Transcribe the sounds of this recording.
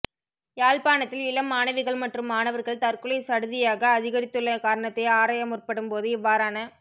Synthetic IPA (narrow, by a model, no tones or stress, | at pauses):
jaːlpaːɳɐt̪ːɪlɪɭɐmːaːnɐʋɪɣɐɭmɐʈrɯmːaːnɐʋɐɾɣɐɭt̪ɐrkɯɭɐɪsɐɽɯðɪjaːɣɐːðɪɣɐɾɪt̪ːɯɭːɐkaːɾɐɳɐt̪ːɐɪaːɾaːjɐmʊrpɐɽɯmpoːðɯɪʋːaːɾaːnɐ